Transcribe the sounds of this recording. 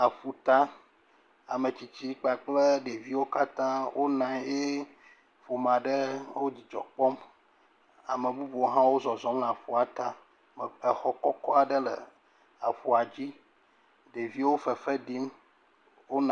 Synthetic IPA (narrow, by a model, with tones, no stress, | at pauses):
a˨ɸu˨t̪a˦ | a̰˨mə˨t͡ɕi˨t͡ɕi˦k͡pa˨k͡plə˦ɖe˨vi˦wo˦ka˦t̪ã˦wʔo˦nã˨je˦ | fo˨mã˨ɖə˦wo˦d͡ʑi˨d͡ʒɔ̰˨k͡pɔ˦m | a˨mə̃˨bu˦bu˨o˦ɦã˦wo˦zɔ˨zɔ˨mla˨ɸu˨a˨t̪a˦ | mə˨ə˨xɔ˦kɔ˦kɔ˦a˨ɖə˦lə̰˨ | a˨ɸu˨a˨d͡ʑi˦ | ɖe˨vi˦wo˦fə˨fə˦ɖi˦m | wo˦n˨